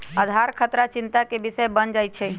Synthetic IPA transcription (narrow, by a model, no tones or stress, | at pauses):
əd̪ʱaɾkʰət̪ɾat͡ʃint̪akebisəjbənd͡ʒajt͡ʃʰɛ